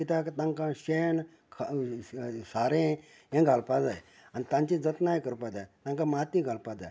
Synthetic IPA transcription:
kit̪akt̪ãŋkãɕen | kʰ | saɾẽ | jẽɡʱalpad͡zaj | anit̪ãɲt͡ɕid͡zət̪najkəɾpad͡zajt̪ãŋkãmat̪iɡʱalpad͡za̰j

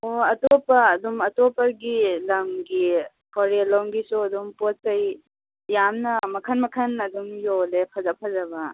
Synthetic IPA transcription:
oɐtopɐːdumɐtopɐɡilɐmɡi | pʰɔɾelɔŋɡisuɐdumpot̚kɐj | jamnɐmɐkʰɐnmɐkʰɐnɐduŋjolepʰɐzɐpʰɐzɐbɐ

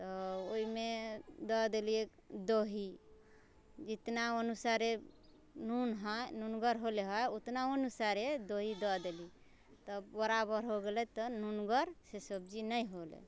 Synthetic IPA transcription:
t̪ɔoimed̪ɔd̪eliek | d̪oɦi | d͡ʒit̪naənusaɾe | nunɦɔnunɡəɾɦoleɦɔjot̪naənusaɾed̪oɦid̪ɔd̪eli | t̪ɔbbəɾabəɾɦoɡelɛt̪ɔnunɡəɾsesəb̚d͡ʒinəjɦolḛ

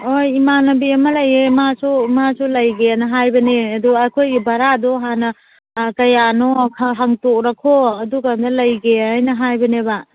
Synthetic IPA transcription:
ojimanɐbiɐmɐlɐjemasumasulɐjɡeanɐɦajbɐneɐduɐkʰojɡibɐɾadɔɦanɐ | kɐjanɔkʰɦaŋtok̚ɾakʰoɐduɡandalɐjɡeajnɐɦajbɐneba

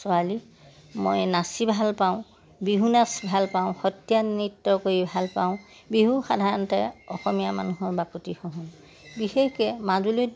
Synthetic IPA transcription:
sɔali | mo̰jnasibʱalpaʊ̃ | biɦunasbʱalpaʊ̃xɔtjanitːɔkoɹibʱalpaʊ̃ | biɦuxadʱaɹɔntɛɔxɔmijama̰nuɦɔɹbakutixɔɦɔ̃n | bixexkɛmazulu

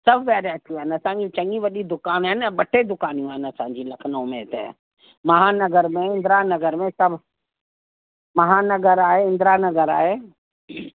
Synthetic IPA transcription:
sɐbʱʋɛːɾat̪ʰjũɦɛnɐsãːɲd͡ʒũt͡ʃɐ̃ŋɡĩʋɐɗid̪ʊkaːnɦɛnɓɐʈʰed̪ʊkaːnijũɦɛnɐsãːɲd͡ʒĩlɐkʰnõmẽɪt̪ḛ | mɐɦanɐɡəɾmẽɪ̃nd̪ɾanɐɡəɾmẽsɐbʱ | mɐɦanɐɡəɾaːɦeɪ̃nd̪ɾanɐɡəɾa̰ːɦeː

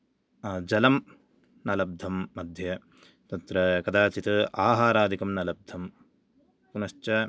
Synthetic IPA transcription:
d͡ʒɐlɐm | nɐlɐb̚d̪ʱɐmːɐd̪ʱjɐ | t̪ɐt̪ɾɐkɐd̪aːt͡ʃit̪ɐaːɦaːɾaːd̪ʱikɐmnɐlɐb̚d̪ʱɐm | punɐʃt͡ʃɐ

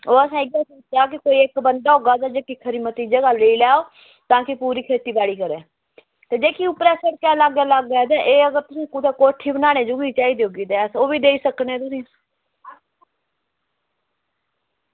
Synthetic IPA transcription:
oːəsãːɪɡaːsoːt͡ʃaːk̬ɪkoːiːekbənd̪aːɦoːɡaːd̪aːd͡ʒeːkiːkʰəɾiːmət̪iːd͡ʒəɡaːleiːlɛːoː | t̪ãːkɪpuːɾiːkʰeːt̪iːbaːɽiːkəɾɛː | t̪eːd͡ʒeːkiːʊpɾɛːsəɽkɛːlaɡaːlaɡaːd̪aːʔeːəɡəɾt̪ʊsĩːkut̪eːkoːʈʰiːbənaːɽ̃eːd͡ʒuɡiːt͡ʃaːiːd̪eɦoːɡiːd̪ɛːsoːbiːd̪eːiːsəknɛːt̪ʊsĩː

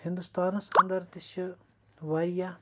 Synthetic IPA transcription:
hɪ̃nd̪ust̪aːnɐsɐnd̪əɾt̪ɪʃ | ʋaːɾijaː

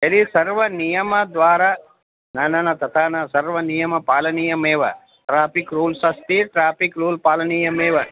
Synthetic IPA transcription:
ɐd̪isɐɾʋɐnijɐmɐd̪ʋaːɾa | naːnɐnɐt̪ɐt̪ʰaːnɐsɐɾʋɐnijɐmɐpaːlɐniːjɐmeːʋɐ | ʈɾaːpikɾuːlsɐst̪iʈɾaːpikɾuːlpaːlɐniːjɐmeːʋɐ

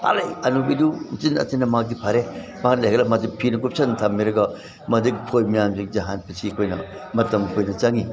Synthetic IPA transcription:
a̰lɐjɐnubidunt͡ʃinɐ̰tenɐmak̚dipʰaɾemaklajlɐmadipʰinɐkʰup̚sɐntʰamːiɾɐɡɐ | mɐdikpʰojmijamsiŋd͡ʒɐɦanpɐsikʰojnɐ̰ | mɐtɐmkʰojnɐt͡ʃaŋi

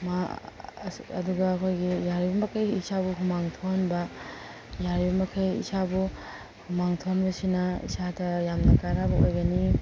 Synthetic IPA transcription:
ma | ɐduɡɐːkʰojɡijaɾibɐmɐkʰɐjisabuɦumaŋtʰonbɐ | jaɾibɐmɐkʰajḭsabu | humaŋtʰonbɐsinɐḭsadɐjamnɐkanabɐojɡɐni

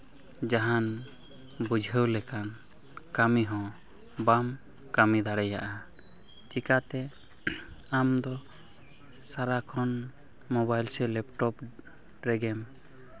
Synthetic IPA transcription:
d͡ʒaɦan | bud͡ʒʱəwlɛkan | kamiɦɔ̃ | bam | kamid̪aɽɛja̰ʔa | t͡ʃikat̪ɛ | amd̪ɔ | saɾakʰɔn | mɔbajlsɛlɛp̚ʈɔp | ɾɛɡɛm

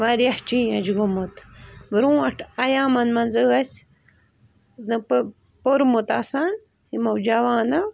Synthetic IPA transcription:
ʋaɾjɐht͡ʃĩːɐd͡ʒɡomot̪bɾũːɐʈʰɐjaːmɐnmɐnzɨːɐsʲ | nɨp | poɾmut̪asan | himɐwd͡ʒaʋaːnɐw

